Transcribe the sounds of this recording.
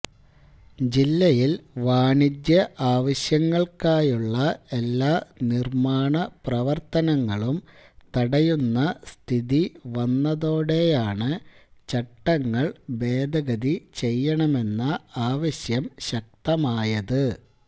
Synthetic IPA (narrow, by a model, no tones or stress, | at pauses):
d͡ʑilːɐjilʋaːɳidjɐʔaːʋɐɕjɐŋːɐɭkaːjuɭːɐelːaːnirmaːɳɐprɐʋɐrt̪ɐnɐŋːɐɭumt̪ɐɽɐjunːɐst̪ʰiðiʋɐnːɐðoːɽe̞jaːɳɨt͡ɕɐʈːɐŋːɐɭbe̞ːd̪ʱɐɡɐðit͡ɕe̞jːɐɳɐme̞nːɐaːʋɐɕjɐmɕɐk̚t̪ɐmaːjɐðɨ